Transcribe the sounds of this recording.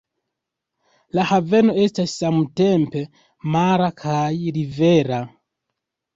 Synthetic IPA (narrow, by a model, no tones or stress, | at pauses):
lahave̞no̞e̞stasːamute̞mpe̞ | maɾakʰajɾiveɾa